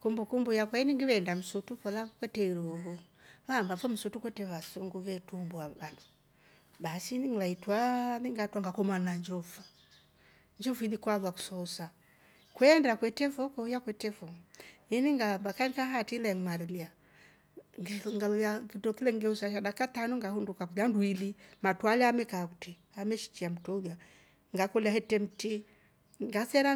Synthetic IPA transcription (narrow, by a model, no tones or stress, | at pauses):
kumbukumbujakwainiŋɡiwɛndam̩sutufɔlakwɛtɛiɾuhu | βambafɔm̩sutukwɛtɛβasɔŋɡuvɛtumbuaβandu̥ | basiniŋlaitwaniŋɡatwaŋɡakɔmanaɲd͡ʒɔfa | ɲd͡ʒɔfinikwaðwaku̥sɔsa | kwɛndakwɛtɛfɔkɔjakwɛtɛfɔiniŋɡambakanikaɦatilɛŋmaɾɛlia | ɡŋɡaakitɔkilɛŋɡɛusaʃadakatanɔŋɡahundukakulanduilimatwalaːmɛkakuti | amɛʃi̥t͡ʃiam̩tɔulja | ŋɡakɔliahɛtɛm̩ti | ŋɡasɛɾa